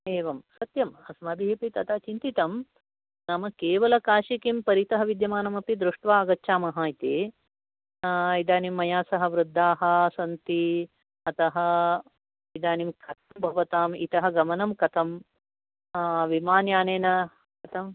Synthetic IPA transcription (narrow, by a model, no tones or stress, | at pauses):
eːʋɐmsɐt̪jɐmɐsɐmɐb̪ʱiɦepit̪ɐt̪aːt͡ʃint̪it̪ɐm | nɐmɐkeːʋɐlɐkaːʃikimpɐɾit̪ɐɦɐʋid̪jɐmaːnɐmɐpid̪ɾuʂʈʋaːɐɡɐtːʃʰaːmɐɦaːit̪eː | ɐid̪aːnimːɐjaːsɐɦɐ̆ʋɾud̪ʱːaːɦɐ̆sɐnt̪i | ɐt̪ɐɦɐ | id̪aːnimkʰɐt̪ʰɐmbʱɐʋɐt̪aːmḭt̪ɐɦɐɡɐmɐnɐmkɐt̪ʰɐm | ʋimaːnjaːneːnɐ | kɐt̪ʰɐm